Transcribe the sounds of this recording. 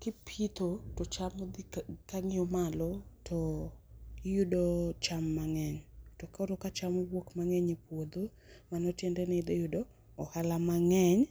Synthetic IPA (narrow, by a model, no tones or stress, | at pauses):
kɪpʰit̪otɔt͡ʃamod̪kaŋɪɔmalɔtʰɔ | judot͡ʃamːaŋɛɲtɔkɔɾokat͡ʃamɔwokmaŋɛɲepwod̪o | manɔtjɛndɛnɛd̪ejʊdɔː | halamaŋɛɲ